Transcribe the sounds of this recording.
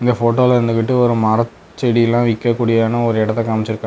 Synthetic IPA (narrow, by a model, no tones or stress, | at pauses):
ɪnd̪ɐfoːʈoːlɐɾɯnd̪ɯkːɪʈːɯɔɾɯmɐɾɐ | t͡ʃːɛɽiɐlːãːʋɪkːɐkːuːɽɪjaːnɐɔɾɯɛɽɐt̪ːɐkaːmɪt͡ʃːɪɾɯkːã